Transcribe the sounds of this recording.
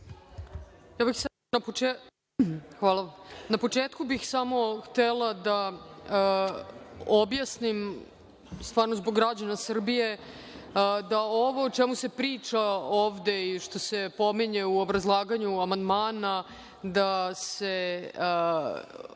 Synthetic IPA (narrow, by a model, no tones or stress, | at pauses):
jaːbixsa | napoe | xʋaːlˠanapo̞t͡ʂeːt̪kubixsamo̞xt̪ɛlˠad̪a | objasnim | st̪ʋaːɾnozboɡɾad͡ʑanasr̩bije̞ | d̪aoʋoot͡ʃɛmusepɾiːt͡ʂaoːʋd̪e̞iʂt̪o̞se̞po̞miɲeuobɾazlˠaːɡaɲuamand̪maːna | d̪ase